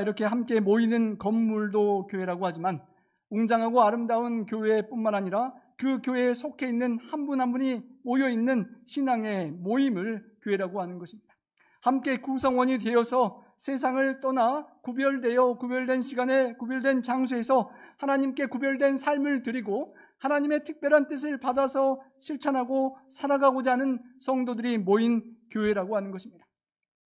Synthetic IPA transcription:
iɾʌkʰe̞ɦamk͈e̞moinɯnkʌmːuɭdokjoe̞ɾaɡohad͡ʑiman | uŋd͡ʑaŋɦaɡoaɾɯmdaunkjoe̞p͈unmanaɲiɾa | kɯkjoe̞sʰokʰe̞inːɯnhanbunɦanbuɲimojʌinːɯnɕʰinaŋe̞moimɯɭkjoe̞ɾaɡohanɯnɡʌɕʰimɲid̥a | hamk͈e̞kusʰʌŋwʌɲide̞jʌsʰʌ | sʰe̞s̬ʰaŋɯɭt͈ʌnakubjʌɭdeʌkubjʌɭdwe̞nɕʰiɡanekubjʌɭdwe̞nt͡ɕaŋs̬ʰue̞sʰʌhanaɲimk͈e̞kubjʌɭdwe̞nsʰaɭmɯɭtɯɾiɡo | hanaɲime̞tʰɯk̚p͈jʌɾant͈ɯs̬ʰɯɭpadasʰʌɕʰiɭt͡ɕʰanɦaɡosʰaɾaɡaɡod͡ʑaanɯnsʰʌŋdodɯɾimoinkjoɦe̞ɾaɡoɦanɯnɡʌɕʰimɲida

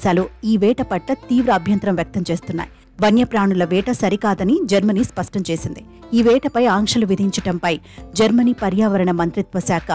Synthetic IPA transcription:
saːluiːʋɛːʈɐpɐʈlɐt̪iːʋɾɐːbʱjɐnt̪ɾɐmʋjɐk̚t̪ɐmt͡ʃe̞ːst̪unːa̰ːji | ʋɐnjɐpɾaːɳulɐʋɛːʈɐsɐɾikaːd̪ɐnid͡ʒɐɾmɐniːspɐʂʈɐmt͡ʃe̞ːsind̪i | iːʋɛːʈɐpɐjaːŋkʂɐluʋid̪ʱiɲt͡ʃɐʈɐmpɐjd͡ʒɐɾmɐniːpɐɾjaːʋɐɾɐɳɐmɐnt̪ɾit̪ʋɐsaːkʰɐ

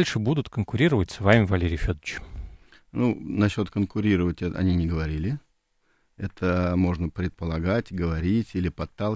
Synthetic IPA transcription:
lʲʂɨbud̪ʊt̪kənkʊɾʲiɾəvət̚ʲsvamʲɪvɐlʲeɾʲɪjfʲod̪ət͡ɕ | nunɐɕːo̞t̪kənkʊɾʲiɾəvətʲɛɐ̰nʲinʲɪɡəvɐɾʲilʲɪ | ɛt̪ʰəmo̞ʐnəpɾʲɪt̪̚pəlˠɐɡatʲɡəvɐɾʲitʲilʲɪpɐt̪ːalˠ

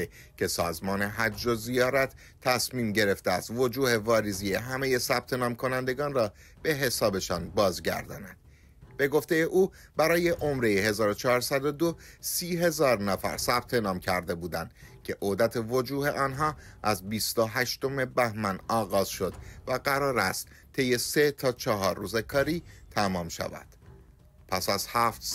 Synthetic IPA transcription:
cʰe̞sɒːzmɒːne̞ɦæd͡ʒːo̞zijɒːɾæt̪ʰː | æsmiːmɟe̞ɾe̞ft̪eæst̪vo̞d͡ʒuːhe̞vɒːɾizijeɦæme̞je̞sæb̥t̪ʰe̞nɒːmkʰo̞nænd̪e̞ɡɒːnrɒː | b̥e̞ɦe̞sɒːbe̞ʃɒːnbɒːzɟæ̰ɾd̪ɒ̰ːnænd̪̥ | b̥e̞ɡo̞ft̪ejeʔuː | bæɾɒːje̞ʔomɾejeɦe̞zɒːɾot͡ʃʰɒːɾsæd̪o̞d̪osiːɦe̞zɒːɾnæfæ̰ɾsæb̥t̪ʰe̞nɒːmcʰæɾd̪e̞buːd̪ænd̪cʰe̞ʔod̪æt̪ʰevo̞d͡ʒuːhe̞ʔɒːnɦɒːʔæzbiːst̪oɦæʃt̪o̞me̞bæhmænɒːɣɒːz̥ʃo̞d̪væɢæɾɒːɾæst̪ | t̪ʰːe̞jːe̞se̞t̪ʰɒːt͡ʃʰɒɦɒːɾːuːzekʰɒːɾiːt̪ʰæmɒːmʃæ̰væ̰d̪̥ | pʰæsæz̥hæːft̪

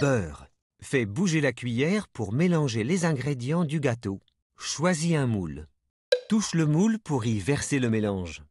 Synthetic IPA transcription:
b̥œːʁ | fɛbuʒelakʲɥijɛʁpuʁmelɑ̃ʒelezɛ̃ɡʁed̪jɑ̃d̪yɡat̪o | ʃwaziɛ̃mul | t̪uʃləmulpuʁivɛʁseləmelɑ̃ʒ

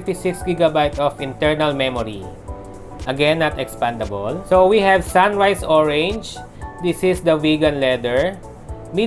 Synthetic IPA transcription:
t̪isɪksɡiɡabajt̪ɔfɪ̃nt̪ɛɹnɐlmɛmɔɹi | ʔɐɡɛ̃nːat̪ɛkspãnd̪ɐbɔlsowihɛvsãnɹajsɔɹɛ̃nd͡ʒ | d̪ɪsɪsd̪ɐviɡɐ̃nlɛd̪ɛɹ | mi

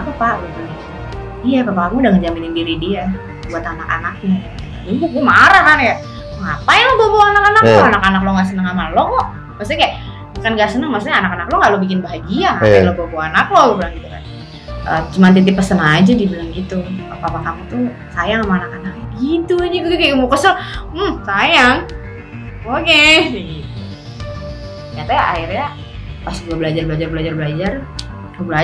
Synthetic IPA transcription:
apapaʔɡit̪u | ijapapakamiudaŋəd͡ʒaminɪndiɾidia | buat̪anaka̰nak̚ɲa | adubʊk̚ɲamaɾahkanja | ŋapajaŋloboboanakanakaanakanakloŋɡaʔs̬ənəŋamalɔŋɔʔ | maksuɲakajaʔ | bukanɡaʔsənəŋmas̬uɲaːnakanakloŋɡaʔlobikɪnbaɦaɡiaaaloboboanaklobubəlaŋɡit̪uka̰n | ʔət͡ʃumant̪̬it̪ɪpəsənad͡ʒadibilaŋɡit̪upapapakamut̪u | sajaŋlamaanakanak̚ɡit̪ud͡ʒikutkakəmukəsəlm̩sajaŋ | okeɡit̪ | ɲat̪ajaʔa̰ɪrɲa | pasduabəlad͡ʒarbəlad͡ʒarbəlad͡ʒarbəlad͡ʒar | tabəla

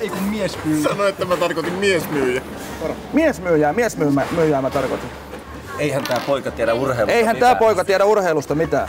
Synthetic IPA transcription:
eikummiesmyːsɑnoet̪ːæmæt̪ɑrkot̪immiesmyːjæ | miesmyːjæːmiesmyːmæmyːjæːmæt̪ɑrkot̪in | eihænt̪æːpoikɑt̪ieɾæurheileihænt̪æːpoikɑt̪ieɾæurheilust̪ɑmit̪æ̰ː

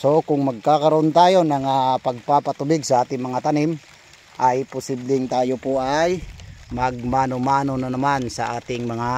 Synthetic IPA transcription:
sokʊŋmɐɡ̚kakɐɾoʔont̪aːjo̞nɐŋapɐɡ̚papat̪ʊbɪɡsɐʔaːt̪ɪŋmɐŋat̪anɪm | ʔajpʊsɪblɪŋt̪aːjopoʔajmɐɡ̚manomaːnonanɐmansɐ̰ʔaːt̪ɪŋmɐŋa

